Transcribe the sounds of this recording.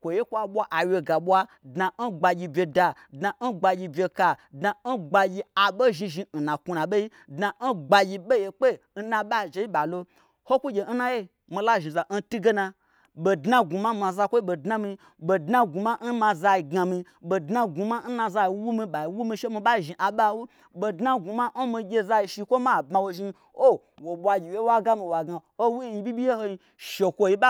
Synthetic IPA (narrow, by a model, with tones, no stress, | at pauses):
kʷo˨je˦kʷa˨ɓʷa˦ʔa˨wʲe˧ɡa˨ɓʷa˦ | dna˧n̩˦ɡ͡ba˧ɡʲi˧bʲe˧da˧ | dna˧n̩˦ɡ͡ba˧ɡʲi˧bʲe˧ka˧dna˧n̩˦ɡ͡ba˧ɡʲi˧a˨ɓo˦ʒi˧ʒi˧n̩˨nã˨ku˧na˨ɓe˦i˦ | dna˧n̩˦ɡ͡ba˧ɡʲi˧ɓe˦je˨k͡pe˦˨n̩˦nã˧ɓa˦˨d͡ʒe˧˦i˦ɓa˨lo˧ | ho˦kʷu˦ɡʲe˨n̩˦na˧je˦ | mi˨˧la˦ʒi˨za˨n̩˦tu˦ɡe˦na˧ | bo˨dna˦ɡu˨ma˦ma˧za˧kʷo˦i˦ɓo˨dna˦mi˧ | bo˨dna˦ɡu˨ma˦n̩˦ma˧za˧i˧˨ɡa˧mi˧ | ɓo˨dna˦ɡu˨ma˦n̩˦na˧za˧i˨˧wu˦mi˧ɓa˨i˨˦wu˦mĩ˧ʃe˦mi˧ɓa˦˨ʒi˨ʔa˨ɓa˦wu˦ | ɓo˧dna˦ɡu˨ma˦n̩˦mi˧ɡʲe˧za˧i˧ʃi˧˦kʷo˦ma˦˨bma˧wo˧ʒi˧ | o˦ | wo˨ɓʷa˧ɡʲi˨we˦wa˦ɡa˦mi˧wa˨ɡa˨ | o˦wu˦i˧˦bʲi˦bʲi˦je˦ho˧i˧ | ʃe˨kʷo˧ji˧ɓa˦